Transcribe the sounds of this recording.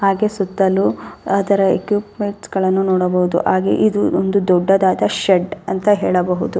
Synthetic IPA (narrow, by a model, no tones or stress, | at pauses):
ɦaːɡesut̪ːɐluɐd̪ɐɾɐḛkjuːpmeɳʈsɡɐɭɐnːunɔːɽɐbɐɦud̪ṵɦaːɡe̞̰ʔid̪uond̪ud̪ɔɖːɐd̪aːd̪ɐʃeɖɐnt̪ɐɦeːɭɐbɐɦud̪u